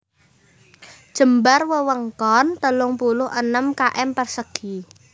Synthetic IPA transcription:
d̥ʒ̥ə̤mbarwəwəŋkɔnt̪əlʊŋpulʊɦənəmkaʔɛmpərsəɡ̥i

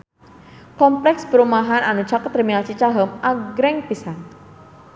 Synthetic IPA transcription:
kɔmplɛksbəɾumaɦananut͡ʃakat̪ːɾiminalt͡ʃit͡ʃaɦəmaɡɾɛŋpisan

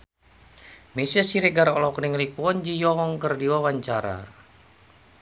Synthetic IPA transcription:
mesiasiɾeɡaɾɔlɔkniŋlipuɔnd͡ʒijɔɔŋkərdiwawaɲt͡ʃaɾa̰

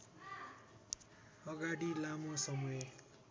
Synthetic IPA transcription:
ʌɡaɽilamosʌmuʌe

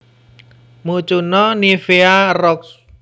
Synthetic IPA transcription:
mut͡ʃunɔnifearɔks

